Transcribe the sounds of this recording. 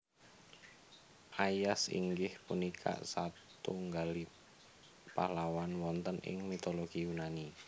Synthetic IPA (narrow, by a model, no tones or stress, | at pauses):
ʔajasḭŋɡɪhpunikʰa̰ʔsat̪uŋɡali | palawanwɔnt̪ənʔɪ̰ŋmit̪oloɡ̥ijunani